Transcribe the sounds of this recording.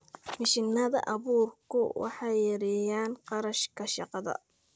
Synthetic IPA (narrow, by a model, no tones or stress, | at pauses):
mɪʃɪnɐðɐ̰ʔɑβuːrkʰʊ̰wʔɑ̰ħɑjɐɾɛjaːnqɑɾɐʃkʰɐʃɑqɑðɐ̰